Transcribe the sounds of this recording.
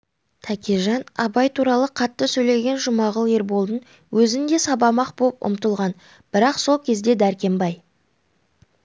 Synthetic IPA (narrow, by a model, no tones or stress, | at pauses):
t̪ʰækʲeʒɑnɑbɑjt̪ʰuɾɑlˠəqʰɑt̪ːəsɵjle̞ɡʲe̞nʒʊmɑʁəlˠe̞ɾbo̞lˠd̪ən | wʔɵzɪnd̪e̞sɑbɑmɑqbopʊ̰mt̪əlˠʁɑn | b̥ɪɾɑqso̞lˠkʲʰe̞zd̪e̞d̪æɾkʲe̞mbɑj